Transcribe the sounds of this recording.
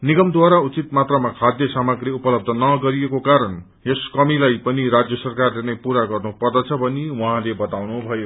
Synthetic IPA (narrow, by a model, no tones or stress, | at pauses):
niɡʌmd̪waɾaut͡sit̪mat̪rʌmakʰad̪jʌsamʌɡriupʌlʌb̚d̪ʱʌnʌɡʌɾijekokaɾʌn | jeskʌmilajpʌniɾad͡zjʌsʌrkarlenʌjpuɾaɡʌrnupʌrd̪ʌt͡sʰʌbʌniwuɦãlebʌt̪awnubʱʌjo